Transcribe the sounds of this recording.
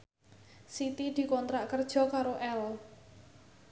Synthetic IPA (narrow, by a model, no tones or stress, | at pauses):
sit̪id̪̥i̤kɔnt̪ɾaʔkərd̥ʒ̥ɔ̤kaɾoʔɛl